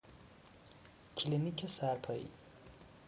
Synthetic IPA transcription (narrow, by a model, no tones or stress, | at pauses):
kʰilinikʰesaɾpʰɐḭ